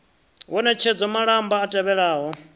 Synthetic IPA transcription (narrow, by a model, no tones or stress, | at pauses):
wɔnɛt͡ʃʰed͡zɔmaɺambaːtʼɛβɛɺaːɦɔ